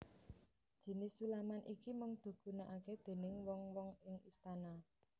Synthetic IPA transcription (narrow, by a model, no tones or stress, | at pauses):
d̥ʒ̥i̤nɪsulamanʔikimʊŋd̪̥o̤ɡ̥ṳnaʔaked̪̥e̤nɪŋwɔŋwɔŋɪŋist̪ana